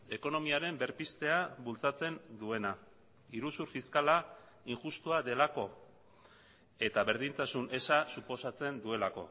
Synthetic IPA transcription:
e̞ko̞no̞miaɾe̞mbe̞ɾpist̪e̞aβult͡sat͡se̞nd̪ue̞na | iɾusuɾfiskala | iŋʝust̪uaðe̞lako̞ | e̞t̪aβe̞ɾðint̪asunʔe̞sasupo̞sat͡se̞nd̪ue̞lako̞̰

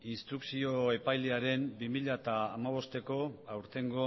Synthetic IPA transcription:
inst̪ɾuksio̞e̞pajleaɾe̞mbimiʎat̪aːmaβ̞o̞st̪e̞ko̞awɾt̪e̞ŋɡo̞

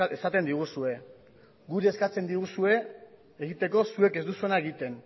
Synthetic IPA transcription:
esat̪e̞nd̪iɣ̞usue̞ | ɡuɾie̞skat͡se̞nd̪iɣusue̞ | eɣit̪e̞ko̞sue̞ke̞zd̪usue̞nae̞ɣit̪e̞n

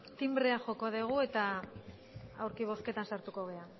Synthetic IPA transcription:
t̪imbɾeaʝo̞koðeɣ̞ue̞t̪a | a̰wɾkiβ̞o̞ske̞t̪ansaɾt̪uko̞ɣ̞e̞a

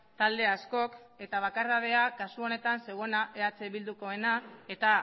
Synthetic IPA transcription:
t̪ald̪e̞asko̞k | e̞t̪aβ̞akaɾað̞e̞akasuo̞ne̞t̪anse̞ɣo̞naʔe̞at͡seβild̪uko̞e̞nae̞t̪a

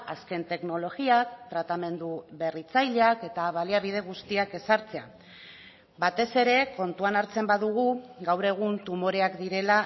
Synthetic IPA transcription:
aske̞nt̪e̞kno̞lo̞ɣiakt̪ɾat̪ame̞nd̪uβe̞rit͡sajʎeake̞t̪aβaliaβ̞iðe̞ɣ̞ust̪iake̞saɾt͡se̞a | bat̪e̞se̞ɾe̞ko̞nt̪uanaɾt͡se̞mbaðuɣ̞uɡawɾe̞ɣ̞unt̪umo̞ɾe̞akd̪iɾe̞la

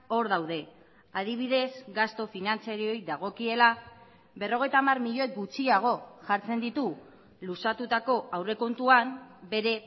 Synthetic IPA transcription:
o̞ɾðawðe̞ | aðiβ̞iðe̞zɡast̪o̞finant͡siaɾio̞jðaɣ̞o̞kie̞la | βe̞ro̞ɣ̞e̞jt̪aːmarmiʎo̞ekɡut͡siaɣ̞o̞ʝaɾt͡se̞nd̪it̪u | lusat̪ut̪ako̞awre̞ko̞nt̪uambe̞ɾe̞

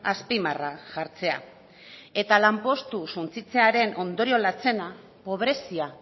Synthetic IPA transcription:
aspimaraʝaɾt͡se̞a̰ | e̞t̪alampo̞st̪usunt͡sit͡se̞aɾe̞nʔo̞nd̪o̞ɾio̞lat͡se̞na | po̞β̞ɾe̞sia

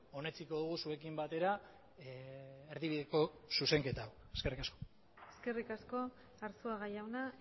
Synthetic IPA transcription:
o̞ne̞t͡siko̞ðuɣ̞usue̞kimbat̪e̞ɾa | eɾðiβiðe̞ko̞suse̞ŋke̞t̪aw | eske̞rikasko̥ | eske̞rikasko̞ | aɾsuaɣajawna

